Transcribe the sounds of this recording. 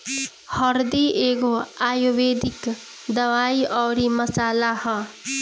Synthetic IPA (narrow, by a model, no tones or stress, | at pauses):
hɔɾd̪ieːɡoaːjoʋeːd̪ɪk | d̪ɐʋaːiʔɔːɾimɐsaːlahɔ̃